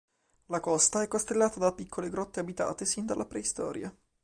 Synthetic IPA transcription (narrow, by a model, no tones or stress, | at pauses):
lakɔst̪aɛkːost̪elːaːt̪ad̪apːikʰːoleɡɾɔt̪ːeabit̪a̰ːt̪esind̪alʔapɾeist̪ɔ̰ːɾja